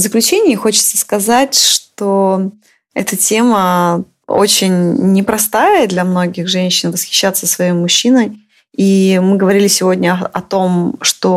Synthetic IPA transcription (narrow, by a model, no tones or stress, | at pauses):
zəklʲʉt͡ɕenʲɪːɪxot͡ɕɪ̥t̪səskɐzatʲʂt̪o | ɛ̰t̪ətʲe̞mə | o̰t͡ɕɪnʲnʲɪpɾɐst̪ajəd̪lʲɐmno̞ɡʲɪxʐɛnʲɕːɪnvəsxʲɪ̥ɕːat̪səsvɐjejmʊɕːinəj | imɨɡəvɐɾʲilʲɪsʲɪvo̞dʲnʲəɐt̪o̞mʂt̪o̞